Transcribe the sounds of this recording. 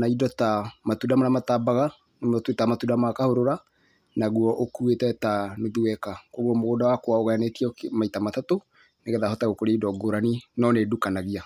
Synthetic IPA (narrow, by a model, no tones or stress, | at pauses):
naidɔtamatudamaɾamatabaɣa | nmtwetamatudamakahoɾoɾa | naɣuɔʔokuetɛtanoðuwɛkakoɣɔmoɣodawakowaoɣajanetiɔkmaitamatato | neɣɛðahɔtaɣokoɾeidɔɡoɾaninɔnedukanaɣia